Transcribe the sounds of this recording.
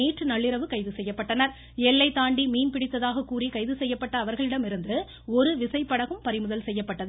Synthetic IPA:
iːʈrɯnɐɭːɪɾɐʋɯkɐɪðɯsɛjːɐpːɐʈːɐnɐɾ | ɛlːɐɪt̪ːaːɳɖimiːnpɪɽɪt̪ːɐðaːɣɐkːuːrikɐɪðɯsɛjːɐpːɐʈːɐːʋɐɾɣɐɭɪɽɐmɪɾɯnd̪ɯ | ɔɾɯʋɪsɐɪpːɐɽɐɣɯmpɐɾɪmɯðɐlsɛjːɐpːɐʈːɐðɯ

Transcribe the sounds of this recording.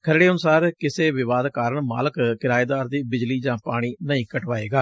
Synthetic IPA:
kʰəɾɽeːənʊsaːɾkɪseːʋɪʋaːd̪kaːɾəɳma̰ːləkkɪɾaːeːd̪aːɾd̪iːbɪd͡ʒliːd͡ʒãːpaːɽ̃iːnəĩːkəʈʋaːeːɡaː

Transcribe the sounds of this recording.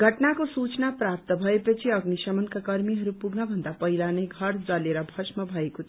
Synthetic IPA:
ɡʱʌʈnakosut͡snapɾap̚t̪ʌbʱʌepʌt͡sʰiʌɡnisʌmʌnkakʌɾmiɦʌɾupuɡnʌbʱʌnd̪apʌɦilanʌjɡʱʌɾt͡sʌleɾʌbʱʌsmʌbʱʌeko

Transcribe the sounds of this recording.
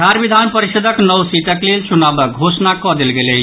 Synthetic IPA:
d̪ʱaɾbid̪ʱanpəɾisəd̪ʱəknɔwsit̪əklelt͡ʃunabəɡʱosnakɔd̪elɡelət͡ʃ

